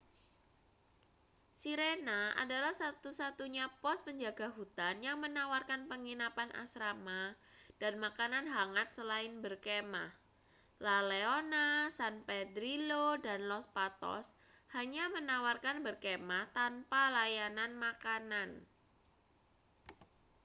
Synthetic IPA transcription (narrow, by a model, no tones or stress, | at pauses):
siɾenaʔa̰dalahsat̪usat̪uɲapɔs̚pəɲd͡ʒaɡaɦut̪anjaŋmənawarkanpəŋinapanʔa̰sɾamad̥anmakananɦaŋat̪̚səlaɪnbərkema̰h | laleonasanped̪ɾilodanlɔspat̪ɔ̰s | haɲamənawarkanbərkemaht̪anpalajananmakanan